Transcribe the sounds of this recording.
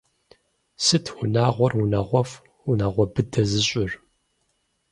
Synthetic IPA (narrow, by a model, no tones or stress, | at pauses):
sɨtʰwʊnaːʁʷɔrunɐʁʷɔf | unɐʁʷɔbɨdʰɐzɨɕʼɪr